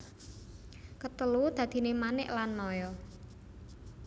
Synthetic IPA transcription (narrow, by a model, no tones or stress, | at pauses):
kət̪əlud̪̥ä̤d̪̥i̤nemanɪʔlanːɔjɔ